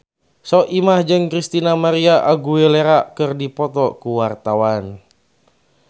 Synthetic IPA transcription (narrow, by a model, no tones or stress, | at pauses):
sɔʔimahd͡ʒɨŋkɾist̪inamaɾiaʔaɡueleɾakɨrdipɔt̪ɔkuwart̪awan